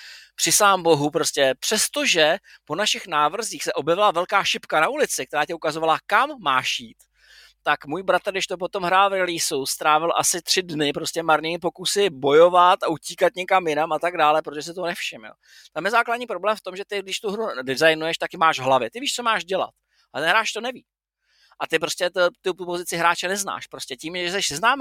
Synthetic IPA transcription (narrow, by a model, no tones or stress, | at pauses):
pr̥ɪsaːmbo̞ɦupɾo̞scɛpr̝̥ɛst̪o̞ʒɛpo̞naʃɪxnaːvr̩ziːxsɛʔo̞bjɛvɪlavɛlkaːʃɪpkanaulɪt͡sɪk̚t̪ɛɾaːcɛukazo̞valakamːaːʃjiːt̪ː | akmuːjbɾat̪ɾ̩ɡdɪʃt̪op̬o̞t̪o̞mɦɾaːlvɾɛliːsust̪ɾaːvɪlʔa̰sɪt̪r̝̥ɪdnɪpɾo̞scɛmaɾɲiːmɪp̬o̞kusɪbo̞jo̞vat̪auciːkat̪ɲɛkamjɪnamat̪aɡdaːlɛpɾot̪oʒɛs̬ɪt̪onɛfʃɪmjo̰ | t̪amjɛzaːkladɲiːpɾo̞blɛːmft̪o̞mʒɛt̪ɪɡdɪʃt̪uɦɾudɪzajnujɛʃt̪akɪmaːʒvɦlavjɪt̪ɪviːʃt͡somaːʃɟɛla̰t̪̚ | at̪ɛnɦɾaːt͡ʃt̪o̞nɛviː | ʔat̪ɪpɾo̞scɛt̪t̪uupo̞zɪt͡sɪɦɾaːt͡ʃɛnɛzna̰ːʃpɾo̞scɛciːmʒɛsɛʃsɛznaːm